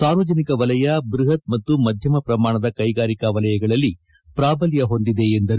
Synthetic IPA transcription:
saːɾʋɐd͡ʒɐnikɐʋɐlɐjabɾuɦɐt̪̚mɐt̪ːumɐd̪ʱjɐmɐpɾɐmaːɳɐd̪ɐkɐjɡaːɾikɐʋɐlɐjɐɡɐɭɐlːi | pɾaːbɐljɐɦo̞nd̪id̪e̞ːnd̪ɐɾ

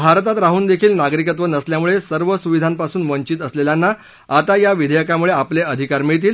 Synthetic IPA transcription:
bʱaɾt̪at̪ɾaɦuːnd̪ekʰiːlnaɡɾikət̪ʋənəsljamuɭesəɾʋəsuʋid̪ʱanpasuːnʋəɲt͡ɕiːt̪əsleljanːa | at̪ajaʋid̪ʱəjəkamuɭeapleəd̪ʱikaɾmit̪̬iːl

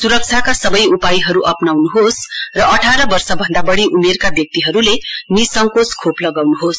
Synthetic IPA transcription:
suɾʌk̚t͡sʰakasʌbʌjupajiɦʌɾuʔʌpnawnuɦosrʌʔʌʈʰaɾʌbʌrsʌbʱʌnd̪abʌɽiʔumerkabjʌk̚t̪iɦʌɾulenisʌŋkot͡skʰoplʌɡawnuɦos

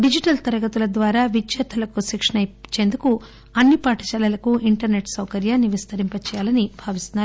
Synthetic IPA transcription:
ɖid͡ʒiʈɐlt̪ɐɾɐɡɐt̪ulɐd̪ʋaːɾaːʋid͡ʒjɐt̪ʰɐlɐkusikʂɐɳɐjt͡ʃe̞ːnd̪uku | ɐnːipaːʈɐt͡ʃɐlɐlɐkuʔiɳʈɐɾne̞ʈsɐwkɐɾjaːnːiʋist̪ɐɾimpɐt͡ʃɛːjaːlɐnibʱaːʋist̪unːaɾu

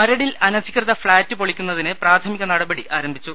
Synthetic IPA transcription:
mɐɾɐɽilɐnɐd̪ʱikʲrɐðɐfɭaːtːɨpoɭikʲːunːɐðinɨpraːt̪ʰɐmiɣɐnɐɽɐbɐɽiʔaːɾɐmbʱit͡ɕːu

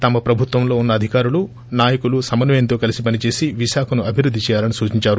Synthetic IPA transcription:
t̪ɐmɐpɾɐbʱut̪wʋɐmlo̞ːunːɐːd̪ʱikaːɾulu | naːjɐkulusɐmɐnɐmjɐnt̪o̞ːkɐlisipɐnit͡ʃe̞ːsiʋiʃaːkʰɐnuɐbʱiɾud̪ʱːit͡ʃɛːjaːlɐnisuːt͡ʃiɲt͡ʃaːɾu

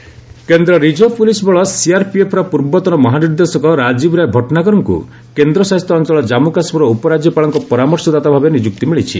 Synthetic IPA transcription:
kend̪ɾɔɾid͡ʒɔpulisbɔɭɔsiaɾpiepʰɾɔpuɾbɔt̪ɔnɔmɔɦaniɾd̪esɔkɔɾad͡ʒibɾajbʱɔʈɔnakɔɾɔŋkṵ | kend̪ɾɔsast̪ɾɔːnt͡ʃɔɭɔd͡ʒamukasbɔɾɔupɔɾad͡ʒjɔpaɭɔŋkɔpɔɾamɔɾsɔd̪at̪abʱabenid͡ʒukt̪imiɭit͡ʃʰi

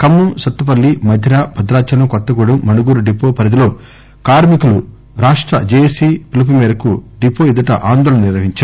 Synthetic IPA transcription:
kɐmːusɐt̪ːup̬ɐlːimɐd̪ʱːiɾaːbʱɐd̪ɾaːt͡ʃɐlɐkɔt̪ːɐɡuɽumɐnuɡuːɾuɖipːoːpɐɾɐd̪ilo̞ː | kaːɾmikulu | ɾaːʂʈɾɐ̰d͡ʒeːesipilɐp̬umɛːɾɐkuɖipoːid̪ɐʈɐʔaːnd̪oːlɐnɐniɾʋɐɦiɲt͡ʃa

